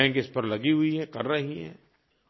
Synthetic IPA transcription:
ɛ̃kɪspɐɾlɐɡiɦʊiɦɛkɐɾːɐɦiɦɛ̰̃ː

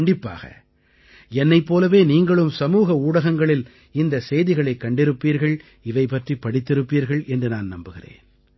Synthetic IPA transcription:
ɳɖɪpːa̰ːɣɐ̰ | ɛnːɐɪpːoːlɐʋeːniːŋɡɐɭɯmsɐmuːɣɐuːɽɐɣɐŋɡɐɭɪl | ɪnd̪ɐsɛjðɪɣɐɭɐɪkːɐɳɖɪɾɯpːiːɾɣɐɭ | ɪʋɐɪpːɐʈripːɐɽɪt̪ːɪɾɯpːiːɾɣɐɭɛndrɯnaːnnɐmbɯɣɪrḛːn

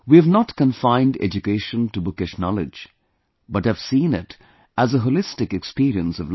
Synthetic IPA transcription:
wiɨvnətkə̃ɱfãɪ̃ndɛ̰d͡ʒɨkeɪʃə̃ntəbʊkɪʃnɑlˠɪd͡ʒ | bʌthɨv̥sĩnɪt | ʔəzəɦolɪstɨkɨkspiɾiə̃nsʌvl

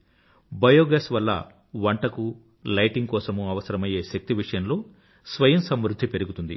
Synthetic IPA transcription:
bɐjoːɡɐːsʋɐlːɐ̰ | ʋɐɳʈɐku | lɐjʈiŋɡ̚kɔːsɐmuɐʋɐsɐɾɐmɐje̞ːʃɐk̚t̪iʋiʂɐjɐmlo̞ː | sʋɐjɐmsɐmɾud̪ʱːipe̞ɾuɡut̪und̪ḭ

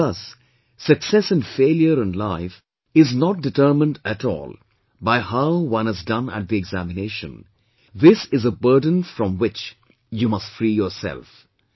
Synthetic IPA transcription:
ðʌsː | ɨksɛsɨ̃nfeɪljəɾə̃nlaɪf | ɪznɔt̚dɨtə˞mə̃ndætɔ̰ːlˠ | baɪhaʊwʌ̃nɨzdʌ̃næ̰ʈ̚ðiɛɡzæmɪneɪʃə̰̃n | ðɪsɪzəbɜ˞də̃nfɹɔ̃mwɪt͡ʃ | juːmʌstfɾijəɹsɛ̰lf

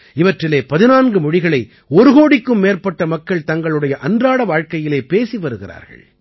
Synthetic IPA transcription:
ɪʋɐʈrɪleːpɐðɪnaːnɡɯmɔɻɪɣɐɭɐɪ | ɔɾɯɣoːɽɪkːɯmːeːɾpɐʈːɐmɐkːɐɭt̪ɐŋɡɐɭɯɽɐjɐʔɐndraːɽɐʋaːɻkɐjɪleːpeːsiʋɐɾɯɣɪra̰ːɾɣɐ̰ɭ

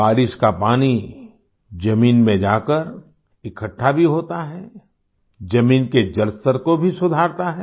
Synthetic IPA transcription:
baːɾɪʃkapaːni | d͡ʒɐmiːnmẽd͡ʒaːkəɾ | ɪkʰəʈʰːabʱiɦoːt̪aɦɛː | d͡ʒɐmiːnked͡ʒɐlsəɾkobʱisʊd̪ʱaːɾt̪aɦɛː

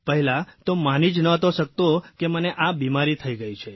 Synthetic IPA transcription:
pəɦɛlat̪omanid͡ʒnəət̪oʃək̚t̪okeməneʔabimaɾit̪ʰəiɡəit͡ʃʰe

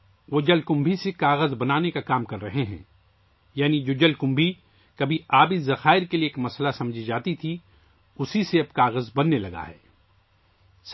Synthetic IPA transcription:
ʋoːd͡ʒɐlkʊ̃mbʱisekaːɣəzbɐnaːnekakaːmkɐɾːɐɦeɦɛ̰̃ː | jaːnid͡ʒoːd͡ʒɐlkʊ̃mbʱi | kɐbʱiaːbizɐxaːɪɾkelieːkmɐslasɐ̃md͡ʒʱid͡ʒaːt̪it̪ʰi | ʊsiseɐb̚kaːɣəzbɐnːelɐɡa̰ɦɛ̰ː | s

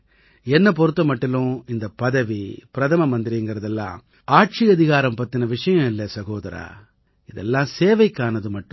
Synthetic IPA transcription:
ɛnːɐpɔɾɯt̪ːɐmɐʈːɪlʊ̃ɪnd̪ɐpɐðɐʋipɪɾɐt̪ʰɐmɐmɐnd̪ɪɾiŋɡɐɾɐðɛlːã̰ː | aːʈ̚t͡ʃiɐðɪɣaːɾɐmpɐt̪ːɪnɐʋɪʂɐjɐ̃ɪlːɐsɐɣoːðɐɾa̰ː | ɪðɛ̰lːãːseːʋɐɪkːaːnɐðɯmɐʈːʊ̃

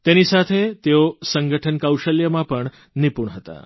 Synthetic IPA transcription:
t̪enisat̪ʰet̪eosəŋɡəʈʰənkawʃəljəmãpəɳ | nipuɳɦət̪a̰

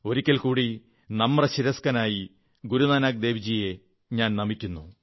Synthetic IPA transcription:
o̞ɾikʲːɐlkuːɽi | nɐmːrɐɕiɾɐskɐnaːji | ɡuɾunaːnaːk̚d̪e̞ːʋid͡ʑije̞ | ɲaːnnɐmikʲːunːu

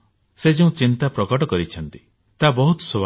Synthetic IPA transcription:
sed͡ʒeũt͡ʃint̪apɾɔkɔʈɔkɔɾit͡ʃʰɔnt̪i | t̪abɔɦut̪ɔ̥soba

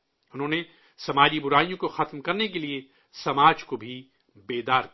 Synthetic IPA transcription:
ʊnɦõːne | sɐmaːd͡ʒibʊɾaːijõkoxɐt̪mkɐɾnek̬elie | sɐmaːd͡ʒkobʱi | beːd̪aːɾk

